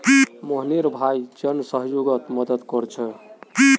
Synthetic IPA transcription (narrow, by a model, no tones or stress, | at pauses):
moɦniɾbʱajd͡ʒənsəɦjoɡət̪məd̪əd̪kɔɾt͡ʃʰɛ